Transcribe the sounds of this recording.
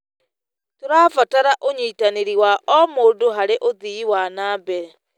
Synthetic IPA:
toɾaːfataɾaʔoɲiːtaneɾiwaʔɔmoːdoɦaɾeʔoðiiwanaːbɛɾɛ

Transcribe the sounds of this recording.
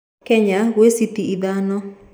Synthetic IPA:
kɛɲaɣwesit̪iiðanɔ

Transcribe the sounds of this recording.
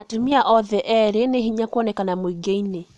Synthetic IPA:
atumiaʔɔðɛʔɛɾeneɦiɲakɔnɛkanamoiɡeine

